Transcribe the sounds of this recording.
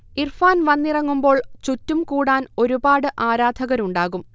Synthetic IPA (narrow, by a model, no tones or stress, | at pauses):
irfaːnʋɐnːirɐŋːumbo̞ːɭt͡ɕutːumkuːɽaːno̞ɾubaːɽɨʔaːɾaːd̪ʱɐɣɐɾuɳɖaːɣum